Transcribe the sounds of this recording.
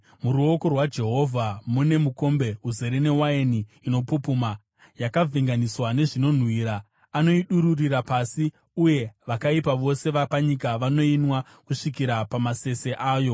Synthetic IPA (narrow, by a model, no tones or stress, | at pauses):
muɾuoko̞rwad͡ʒe̞ɦo̞vʱamune̞muko̞mbe̞ɦuze̞ɾene̞waeniːno̞pupuma | jakavʱeŋɡaniswane̞ʐino̞n̤wiːɾa | ano̞iɗuɾuriɾapasi | uje̞ʋakaipaʋo̞se̞ʋapaɲikaʋano̞inwa | kuʂikiɾapamase̞se̞ʔaːjo̞